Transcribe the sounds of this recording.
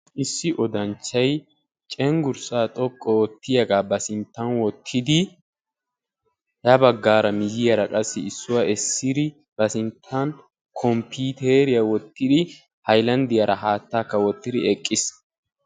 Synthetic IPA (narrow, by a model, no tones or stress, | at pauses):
ʔɪsːɪʔɔd̪ɐnt͡ʃːɐj | t͡ʃʼɛŋɡʊɾsaːt̪ʼɔkʼːɔwɔt̪ːɪjɐɡaːbɐsɪnt̪ːɐnwɔt̪ʰːɪd̪ɪ | jɐbɐɡːaːɾɐmɪjɪjɐɾɐkʼɐsːɛɪsːʊwɐɛsːɪd̪ɪ | b̥ɐsɪnt̪ʰːɐn | kʰɔmpiːt̪eɾɪjɐwɔt̪ːɪd̪ɪ | hɐjlɐnd̪ɪjɐɾʔɐɦaːt̪ːaːkːɐwɔt̪ːɪd̪ɪɛkʼːɪs